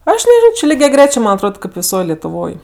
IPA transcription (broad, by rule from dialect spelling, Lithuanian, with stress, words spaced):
ˈɐʃ nʲɛˈʒʲɪnoː t͡ʃʲɪ lʲɪɡʲɛˈɡrʲæːt͡ʃʲeː ˈmɐn ɐtˈroːt kɐɪp ʋʲɪˈsoːj lʲɛtʊˈʋoːj